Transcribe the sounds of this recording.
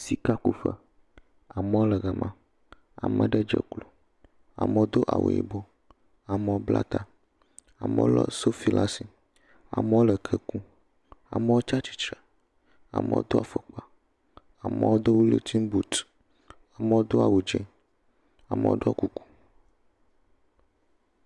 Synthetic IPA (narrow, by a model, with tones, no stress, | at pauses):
si˦ka˦ku˨fə̰˨ | a˨mɛ̃˦wo˦lɛ˨ɡə˨mʔã˦˨ | a̰˨mə˨ɖɛ˦d͡ʒḛ˨klo˨ | a̰˨mə˦˨o˦d̪o˦ʔa̰˨wo̰˨ḭ˨bo˦ | a˨mɛ̃˦wo˦bla̰˦t̪a˨ | a˨mɛ̰˦o˦lɔ̰˦so˦fi˨la˦si˨ | a̰˨mɛ̃˦wo˦lə˨kʰə˨kũ˦ | a̰˨mɛ˦wo˦t͡ʃa˦t͡ɕi̥˦t͡ʃɾɛ˨ | a̰˨mḛ˨wo̰˦d̪o˦a˨fə˨k͡pa˨ | a˨mɛ̰˦wo˦d̪o˦wu˦lḛ˨t̪ʰi˦m˦bu˨t̪ | a˨mə˦wo˦d̪o˦a˨wu˨d͡ʒɛ˦ | a˨mḛ̃˨˦wo̰˦ɖo˦o˦ku˨ku̥˦